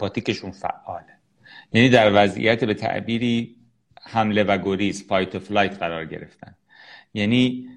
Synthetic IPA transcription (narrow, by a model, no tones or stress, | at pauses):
pɒːt̪ʰiːceʃunfæ̰ʔːɒːle | jæːniːd̪æɾvæzʔḭjæt̪ʰbe̞t̪ʰæ̰ʔbiːɾiː | hæmle̞væɡoɾiːsfɒjt̪ʰoflɒːjt̪ʰɢæɾɒːɾɟe̞̰ɾeft̪æ̰n | jæːniː